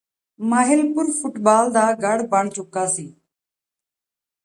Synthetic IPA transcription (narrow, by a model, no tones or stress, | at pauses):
maːɦɪlpʊɾfʊʈbaːld̪aːɡəɽ̤bəɳt͡ʃʊkaːsiː